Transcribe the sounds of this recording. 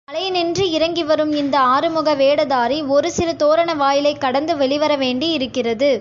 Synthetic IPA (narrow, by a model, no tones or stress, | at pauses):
ɐɭɐjnɛndriɪɾɐŋɡɪʋɐɾɯmɪnd̪ɐaːɾɯmɯɣɐʋeːɽɐðaːɾiɔɾɯsɪɾɯt̪oːɾɐɳɐʋaːjɪlɐɪkːɐɽɐnd̪ɯʋɛɭɪʋɐɾɐʋeːɳɖiɪɾɯkːɪrɐðɯ